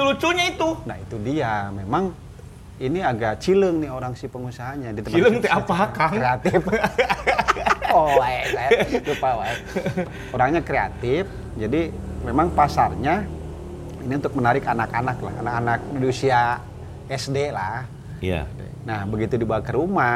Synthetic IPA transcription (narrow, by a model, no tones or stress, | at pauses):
əlut͡ʃuɲait̪unahit̪udiamemaŋ | iniaɡaʔt͡ʃiləŋnɪoɾaŋsipəŋusaɦaɲadit̪əmləŋt̪iapakaŋɾeat̪ɪf | oɛajatupaɛ | oɾaŋɲakɾea̰t̪ɪf | d͡ʒadi | memaŋpasarɲa | iniunt̪ʊk̚mənaɾɪkanakanakla̰ha̰nakanak̚dədusia | ɛsdelah | ja̰ | nahbəɡit̪udibawakəɾuma